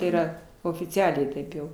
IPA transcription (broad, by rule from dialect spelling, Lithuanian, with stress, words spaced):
iːˈrɐ oːfʲɪˈt͡sʲæːlʲɛɪ ˈtɐɪp jɛʊ